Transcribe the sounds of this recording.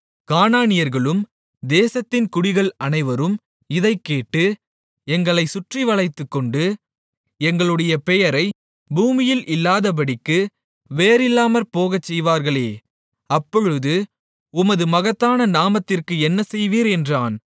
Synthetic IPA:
kaːnaːnɪjɐɾɣɐɭɯm | d̪eːsɐt̪ːɪnkʊɽɪɣɐɭɐnɐɪʋɐɾɯm | ɪðɐɪkːeːʈːɯ | ɛŋɡɐɭɐɪsʊʈriʋɐɭɐɪt̪ːɯkːɔɳɖɯ | ɛŋɡɐɭɯɽɐjɐpɛjɐɾɐɪ | buːmɪjɪlʔɪlːaːðɐp̬ɐɽɪkːɯ | ʋeːɾɪlːaːmɐɾpoːɣɐt͡ʃːɛjʋaːɾɣɐɭeː | ɐpːɔɻɯðɯ | ʊmɐðɯmɐɣɐt̪ːaːnɐnaːmɐt̪ːɪrkɯɛnːɐsɛjʋiːɾɛndraːn

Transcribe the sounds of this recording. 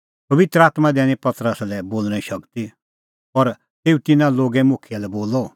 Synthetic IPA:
pɐʋɪt̪ɾəaːt̪mad̪ɛːñĩpɐt̪ɾəslɛboːlñɛ̃ĩʃɐkt̪i | pɐɾ | t̪eːut̪ɪnãloːɡɛmʊkʰijalɛboːlɔ

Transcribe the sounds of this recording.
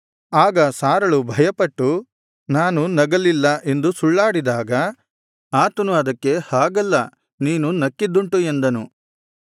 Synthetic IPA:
aːɡɐsaːɾɐɭubʱɐjɐpɐʈːu | naːnunɐɡɐlilːɐʔe̞nd̪usuɭːaːɽid̪aːɡɐ | aːt̪ɐnuɐd̪ɐkːe̞haːɡɐlːɐ | niːnunɐkːid̪ːuɳʈue̞nd̪ɐnu

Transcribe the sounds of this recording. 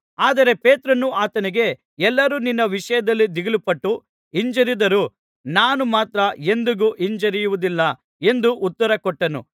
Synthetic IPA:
aːd̪ɐɾe̞pe̞ːt̪ɾɐnːuaːt̪ɐniɡe̞ | ɛlːɐɾuːninːɐʋiʂɐjɐd̪ɐlːid̪iɡɐlupɐʈːu | iɲd͡ʒɐɾid̪ɐɾu | naːnumaːt̪ɾɐe̞nd̪uɡuʔiɲd͡ʒɐɾijuʋud̪ilːɐ | e̞nd̪uʔut̪ːɐɾɐkɔʈːɐnṵ

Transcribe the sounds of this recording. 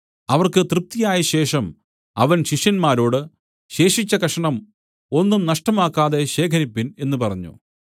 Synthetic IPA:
ɐʋɐrkɨt̪rɨp̚t̪ijaːjɐɕe̞ːʂɐm | ɐʋɐnɕiʂjɐnmaːɾo̞ːɽɨ | ɕe̞ːʂit͡ɕːɐkɐʂɐɳɐm | o̞nːumnɐʂʈɐmaːkːaːðe̞ɕe̞ːkʰɐɾipːine̞nːupɐrɐɲːṵ

